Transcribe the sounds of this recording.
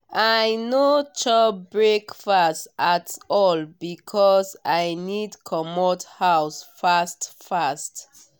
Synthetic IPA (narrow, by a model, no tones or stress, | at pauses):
ajnot͡ʃɔbɹekfastatɔlbikʰɔsajnidkʰɔmɔthaʊsfastfast